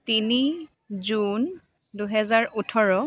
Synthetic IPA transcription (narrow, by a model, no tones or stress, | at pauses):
tini | zun | duɦɛzaɹʔutʰɔɹɔ